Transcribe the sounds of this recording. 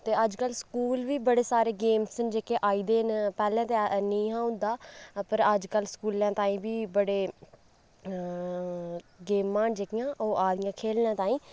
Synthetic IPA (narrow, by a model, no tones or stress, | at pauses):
t̪eːəd͡ʒkəlskuːlʋiːbəɽeːsaːɾeːɡeːmsənd͡ʒeːkeːʔaːiːd̪eːnpɛːlɛ̃ːt̪eːnĩːɦãːʊ̃nd̪aːpəɾəd͡ʒkəlskuːlãːt̪ãːĩːʋiːbəɽeː | ɡeːmːãːd͡ʒeːkɪjãːʔoːʔaːd̪ɪjãːkʰeːlnãːt̪ãːĩː